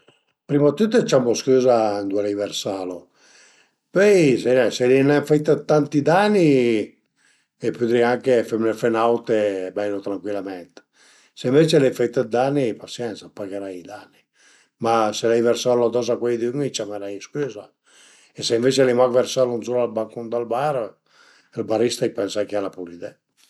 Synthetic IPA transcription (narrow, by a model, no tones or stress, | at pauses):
pɾimat̪ːut̪ːət͡ʃamoskyːzand̪uɛlajversaːlo | pøjsenɛselinɛfait̪ːət̪ːant̪id̪anːi | epːyt̪ɾiaŋkefemnefenawt̪ebɛlːot̪ɾaŋkwilamɛnt̪ | seiɱvet͡ʃelɛjfat̪ːəd̪anːipasjɛnsapaɡeɾajid̪anːi | maselɛjversaɾlad̪ɔzakwɛjd̪yŋit͡ʃameɾajskyza | eseiɱvet͡ʃelimakveɾsalunsuɾalbaŋkund̪albaɾ | ilbaɾist̪ajpɛnsajkealapulid̪ɛ